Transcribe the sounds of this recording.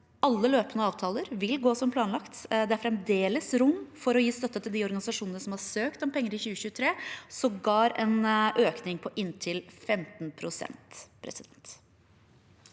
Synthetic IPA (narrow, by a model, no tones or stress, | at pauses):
ɑlːəløːpənəɑːʋt̪ʰɑːləɾʋɪlɡoːsɔmpʰlɑːnlɑkt̪d̪ɛæɾfɾɛmd̪eːləsɾʊmːfɔɾɔjiːst̪œt̪ːət̪ʰɪld̪iːɔɾɡɑnɪsɑʂuːnənəsɔmhɑɾsøːkt̪ɔmpʰɛŋːəɾɪçʉːəɕʉːət̪ʰɾeːsɔmɡɑːɾɛnʔøːknɪŋpʰɔʔɪnt̪ʰɪlfɛmt̪npʰɾʊsɛ̰nt̪pʰɾɛ̰sɪd̪ɛnt̪